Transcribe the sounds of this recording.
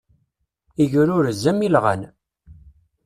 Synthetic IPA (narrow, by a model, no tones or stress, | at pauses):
iʝɾʊɾzːæmilʁə̰n